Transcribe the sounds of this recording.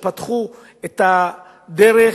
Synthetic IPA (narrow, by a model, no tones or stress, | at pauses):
pat̪χu | et̪a | d̪eʁe